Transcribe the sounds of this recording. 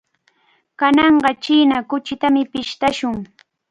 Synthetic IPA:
kanɑɴɢɑt͡ʃiːnakʊt͡ʃɪt̪amɪpɪʃt̪aʃʊŋ

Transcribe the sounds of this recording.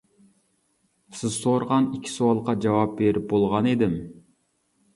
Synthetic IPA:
sɪzsoɾʁɑnikʲʰːi̥suɑlˠqʰɑd͡ʒɑwɑp̚beɾip̚bolˠʁɑned̪ɪm

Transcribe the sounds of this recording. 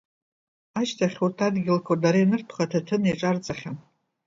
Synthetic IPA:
aʃtʰaχʲurtʰadɡʲɪlkʷʰadaɾajnɨrtʰχatʰatʰɨniʈ͡ʂʼart͡sʼaχʲam

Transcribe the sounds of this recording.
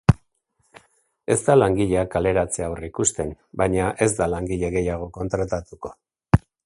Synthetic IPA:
e̞zt̪alaŋɡiʎe̞akale̞ɾat͡se̞aowrikust̪e̞m | baɲaʔe̞zd̪alaŋɡiʎe̞ɣe̞jaɣ̞o̞ko̞nt̪ɾat̪at̪uko̞̥

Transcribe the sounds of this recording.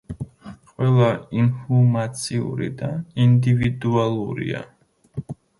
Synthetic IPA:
qʼwɛlˠainfɔmat̪sʼʰiṵɾḭd̪aind̪ivid̪ualˠuɾḭa̰

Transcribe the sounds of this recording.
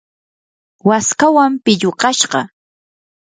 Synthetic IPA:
waskawampɪʎoɢɑʃɢɑ

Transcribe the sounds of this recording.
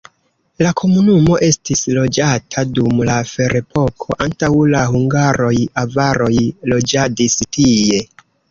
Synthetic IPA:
lakʰo̞munumo̞ʔe̞stislo̞d͡ʒatʰadumlafe̞ɾe̞po̞kʰo̞ʔantawlahuŋɡaɾo̞javaɾo̞jlo̞d͡ʒadistije̞

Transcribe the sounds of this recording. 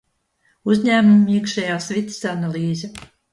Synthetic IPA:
uzɲæːmumːiɛkʃajaːsvit̪sanalˠiːzʲɛ

